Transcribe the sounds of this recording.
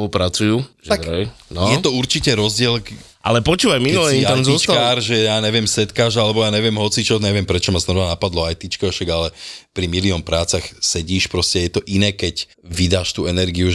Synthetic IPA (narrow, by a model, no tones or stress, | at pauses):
upɾat͡sujuaɛnɔjɛt̪ɔuɾt͡ʃicɛɾɔzɟɪɛl | ʔa̰lɛpɔt͡ʃuːʋajminulɛt̪amzɔst͡ʃt̪aaːɾʒɛjaːɲɛʋɪɛmsɛt̪kaːʒalɛbɔjaːɲɛʋɪɛmɦɔt͡sit͡ʃɔɲɛʋɪɛmpɾɛt͡ʃɔmaznɔʋanapad̪lɔajt̪it͡ʃkɛɔʃaɡalɛpɾimiliɔnpɾaːt͡saxsɛɟiːʃpɾɔscɛjɛt̪ɔʔinɛːkɛc | ʋid̪aːʃt̪uːɛnɛɾɡiu